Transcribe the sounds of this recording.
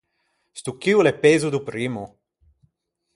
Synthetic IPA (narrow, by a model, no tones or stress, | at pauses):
st̪ukiulepezud̪upɾiːmu